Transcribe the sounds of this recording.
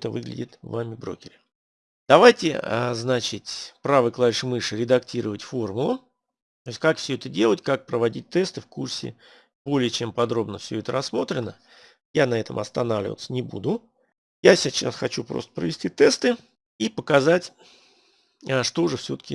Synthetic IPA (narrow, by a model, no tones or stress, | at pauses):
t̪əvɨɡlʲɪ̰dʲɪt̪vamʲɪbɾo̞̰kʲɪɾʲɪ | d̪ɐvajtʲɪ̰ə̰znat͡ɕɪt̪ʲpɾavɨjklˠaɾʲʂmɨʂɨɾʲɪd̪ɐktʲiɾəvətʲfo̞rmʊlˠʊ | t̪ojʲsʲtʲkakfsʲɵɛt̪ədʲe̞lˠətʲkak̚pɾəvɐdʲit̚ʲt̪ɛst̪ɨfkursʲɪ̰ | bo̞lʲɪjət͡ɕe̞mpɐd̪ɾo̞bnəfsʲɵɛt̪əɾɐsːmo̞t̪ɾʲɪnə | janɐɛt̪ə̰mɐ̰st̪ɐnavlʲɪ̰vət̪sənʲɪbṵd̪ʊ | jasʲɪt͡ɕa̰sxɐt͡ɕupɾost̪ə̥pɾəvʲɪsʲtʲit̪ɛst̪ɨ | ipəkɐzatʲ | əʂt̪o̞ʐɛfsʲo̞t̪ə̥kʲɪ̰